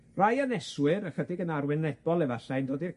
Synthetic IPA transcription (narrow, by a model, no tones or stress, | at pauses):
rajanɛswɨɾəχədɪɡənarwɪnɛb̥ɔlˠɛvaɬajndoːdir